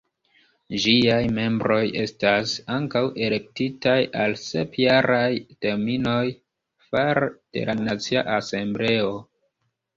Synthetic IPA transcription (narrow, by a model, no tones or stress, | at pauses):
ʒiajme̞mbɾo̞je̞stasaŋkawʔe̞le̞k̚titajalse̞̰pjaɾajte̞ɾmino̞j | faɾd̥e̞̰lʔanat͡siaʔase̞mble̞o̞